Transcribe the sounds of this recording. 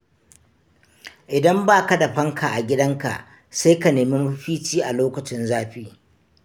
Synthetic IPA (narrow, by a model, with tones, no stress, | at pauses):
ʔɪ˨dɐ˦mbaː˦ka˦dɐ˨ɸɐ˦ŋkʰa˨ʔa˨ɡʲɪ˦dɐ˦ŋka̰˨ʔ | sa˦jka˨neː˨mi˦mʊ˦ɸiː˦t͡ʃiː˦ʔa˨loː˦kɐ˨t͡ʃɪ˦nzaː˦ɸiː˦